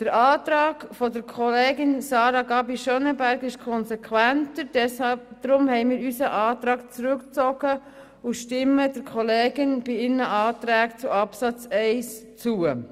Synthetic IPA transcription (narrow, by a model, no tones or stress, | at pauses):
d̥əɾʔɑːt̪ɾɑːɡ̥fɔdəɾkʰɔleːɡɪnsɑːɾɑɡɑbiʃœnəbæɾɡɪʃkʰɔnsekʰwæntəɾdɛshɑd̪̥ɾʊmhɛɪmɪːɾysəʔɑːt̪ɾɑːkt͡sɾʉkt͡sɔɡ̥ə | uʃtɪmədəɾkʰɔleːɡɪnb̥iɪnəʔɑːt̪ɾæːkt͡suɑpsɑt͡sɛɪst͡suə